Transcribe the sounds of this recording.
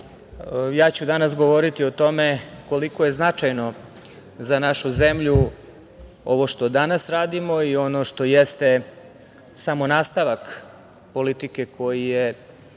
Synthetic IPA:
jaːt͡ɕud̪anas̬ɡo̞ʋo̞ɾit̪iot̪o̞me̞ko̞liko̞jeznat͡ʂajno̞ | zanaʃuzemʎu | o̞̰ʋo̞ʃt̪o̞d̪anasɾaːd̪imo̞io̞noʂt̪o̞jest̪e̞ | samo̞naːst̪aʋak | po̞lit̪ike̞kʰo̞jije

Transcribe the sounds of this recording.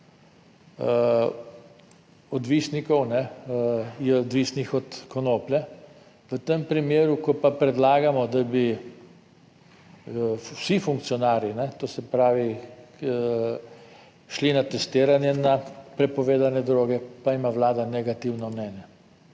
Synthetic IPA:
ɔd̪ʋisnikɔwnɛ | jɛɔd̪ʋisnixɔt̪kɔnoːplɛ | ʋət̪empɾimeːɾukɔpapɾɛd̪laːɡamɔd̪abi | sifuŋk̚t̪siɔnaːɾjinɛt̪oːsɛpɾaːʋi | ʃlinat̪ɛst̪eːɾanjɛnapɾɛpɔʋeːd̪anɛd̪ɾoːɡɛpaimawlaːd̪anɛɡat̪iwnɔmnɛːnjɛ

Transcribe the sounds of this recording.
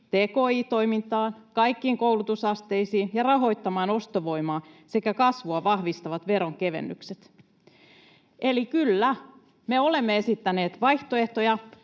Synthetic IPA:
t̪eːkoːiːt̪o̞imint̪ɑːnkɑikːiːŋkowlut̪usɑst̪e̞isiːnjɑrɑɦo̞ijt̪ːɑmɑːno̞st̪oʋo̞jmɑːse̞kækɑsʋuɑʋɑhʋist̪ɑʋɑt̪ʋe̞ɾo̞ŋke̞ʋḛnːy̰kset̪ | ʔelikylːæ | meole̞mːeesit̪ːæne̞ːt̪ʋɑjht̪oeht̪ojɑ

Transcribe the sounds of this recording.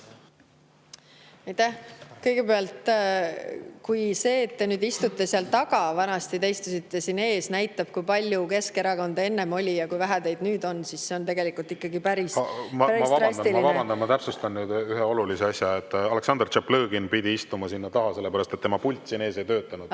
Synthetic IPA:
ɑjt̪ːæhkɤjɡ̥e̞peɑlt̪ | kujse̞ːt̪ːe̞nyːd̪ist̪ut̪ːˑe̞seɑlt̪ɑkɑvɑnɑst̪it̪ejst̪usit̪ːe̞sinːe̞ːsnæjt̪ːˑɑb̥kujpɑlʲjuke̞ske̞ɾɑko̞nd̪̥ɑe̞nːe̞mo̞lʲijɑkujvæɦæd̪e̞jd̪nyːd̪o̞nsisse̞o̞nt̪e̞ɡe̞likult̪ikːɑɡipæɾismɑmvɑbɑd̪ɑmɑvɑbɑnd̪ɑnmɑt̪æpsust̪ɑnnyːd̪yɦeo̞luliseɑsʲjɑet̪ːɑleksɑnd̪rt͡ʃeplɤːɡ̥inpid̪ʲiist̪umɑsinːɑt̪ɑɦɑse̞lːe̞pæɾɑst̪e̞t̪ːemɑpulʲt̪ʲːˑsinːe̞ːse̞jt̪øːt̪ːˑɑnud̪

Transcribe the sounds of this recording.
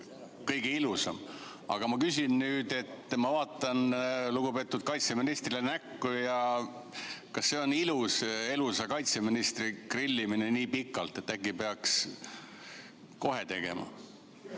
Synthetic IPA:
kɤjɡeilusɑ̰m | ɑ̰ɡ̥ɑmɑkys̬ʲinnyːd̪̥e̞t̪ːmɑvɑːt̪ːˑɑnluɡ̥upe̞ːt̪ːˑud̪̥̚kɑjt̪se̞minist̪rilenækːujɑ | kɑsːe̞o̞niluse̞lusɑkɑjt̪se̞minist̪rikrilːimineniːpikːˑɑlt̪ˑe̞t̪ːækːipe̞ɑks | ko̞ɦe̞t̪e̞ɡ̥e̞̰mɑ̰

